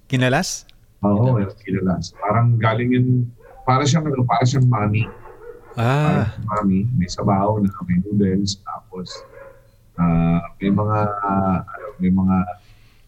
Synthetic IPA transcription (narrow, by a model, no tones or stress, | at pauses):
kɪnɐlas | ʔoːʔokɪnɐlaspaːɾɐŋɡaːlɪŋjʊn | paːɾɐʃ̬amɐnɐpaːɐʃ̬aŋmaːmi | aaːɾɐɐŋmaːmimɐjsɐbaːhonɐmɐjnudɛlst̪a̰ːpo̞s | ʔaːmɐjmɐŋaʔɐnomɐjmɐŋa